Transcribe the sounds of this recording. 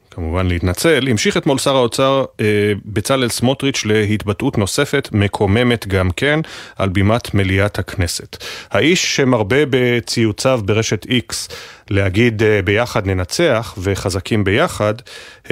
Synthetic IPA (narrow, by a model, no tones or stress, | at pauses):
kamuvanlehit̪nat͡se̞lhimʃiχetmo̞lsaʁao̞t͡saʁ | bet͡salelsmo̞tʁit͡ʃle̞hit̪batʔutno̞se̞fe̞tme̞kʰo̞me̞me̞tɡamke̞nʔalbimat̪meliathakne̞sethaʔiʃːemaʁbe̞be̞t͡sijut͡savbeʁe̞ʃe̞tʰikslehaɡid̪be̞jaχad̪ne̞nat͡se̞aχve̞χazakʰimbe̞jaχad